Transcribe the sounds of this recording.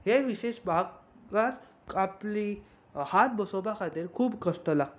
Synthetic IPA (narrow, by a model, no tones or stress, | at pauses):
heʋiɕeɕbʱaɡ | kəɾ | apli | hat̪̚bəsobakʰat̪iːɾkʰuːbkəsʈəlaɡt̪